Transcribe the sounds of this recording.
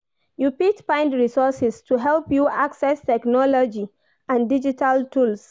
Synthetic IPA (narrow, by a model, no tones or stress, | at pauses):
jupitfãɪ̃ndɹisɔsɛstʰuɦɛlpjuaksɛstɛknɔlɔd͡ʒi | ãndid͡ʒitʰaltʰuls